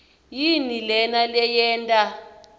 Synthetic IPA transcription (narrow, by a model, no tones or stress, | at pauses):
jinilɛnalɛjɛːntʼa